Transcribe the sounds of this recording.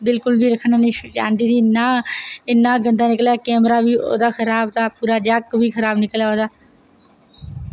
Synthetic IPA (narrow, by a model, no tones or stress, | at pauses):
bɪlkʊlbiːɾəkʰːñaːniːd͡ʒã̰ːnd̪iːt̪iːnaːɪnãːɡənd̪aːnɪkljaːkɛːmɾaːʋiːo̰ːd̪aːkʰəɾaːbd̪aːpuːɾaːd͡ʒəkʋiːkʰəɾaːbnɪkəljaːoːd̪aː